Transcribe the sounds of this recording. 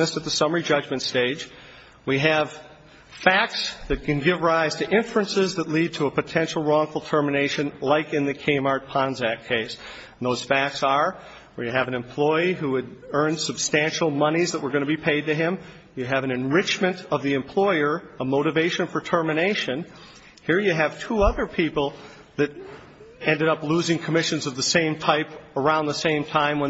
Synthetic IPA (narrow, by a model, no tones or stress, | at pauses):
ɨsɨt̪̚ðɨsʌmə˞id͡ʒʌd͡ʒmɨ̃ntsteɪd͡ʒ | wiɨv̥ | fæk̚tsðɨt̚kʰɨ̃nɡɪvɹaɪz̥tʰɨʔɪ̃ɱfɹɨ̃nsɪzðətˡlid̚tʰəəpɨtʰɛ̃nʃl̩ˠɹɔ̃ŋfl̩ˠtʰɜ˞mɨneɪʃɨ̃nlaɪkɨ̃nðɨkʰẽɪmɑɹt̚pʰɑ̃nzækʰeɪs | n̩ðoʊz̥fæk̚tsə˞ | wiɨvɨ̃nɨ̃mpʰl̥ɔɪɦuwɨɾɜ̃˞nsɨb̥stæ̃nʃl̩ˠmʌnizðəʔ̚wə˞ɡʌnɨbipʰeɪd̚tɨɪ̃m | jɨːvɨ̃nɨ̃nɹɪt͡ʃmɨ̃ntʌvðiɨ̃mpʰl̥ɔɪə˞əmoʊɾɨveɪʃɨ̃nfə˞tʰɜ˞mɨneɪʃɨ̃n | hiɹjɨːv̥tʰuʌðə˞pʰipl̩ˠ | ðɨɾ | ɛ̃ndɨɾʌpluzɪ̃ŋkʰəmɪʃɨ̃nzʌvðɨsẽɪ̃mtʰaɪpə˞ãʊ̃nðəsẽɪ̃mtʰãɪ̃mwə̃n